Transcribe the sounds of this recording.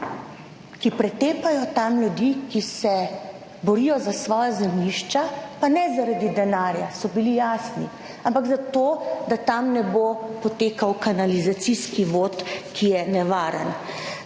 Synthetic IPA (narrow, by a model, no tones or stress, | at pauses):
kipɾɛt̪eːpajɔt̪amlʲjud̪ikisɛ | bɔɾijɔzasʋɔːjazɛmniʃt͡ʃapanɛzaɾad̪id̪ɛnaːɾjasɔbilijaːsni | ampaɡzat̪oːd̪at̪amnɛbopɔt̪eːkawkanalizat̪siskiʋot̪kʰijɛnɛʋaːɾə̰n